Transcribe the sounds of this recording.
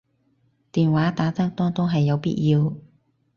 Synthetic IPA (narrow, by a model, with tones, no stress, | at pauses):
t̪iː˨nwaː˨˥t̪aː˨˥t͡sɐ˥ŋt̪ɔː˥ŋt̪o˥wɦɐ˨jːɐ˨˧wpḭː˥t̚jiː˧w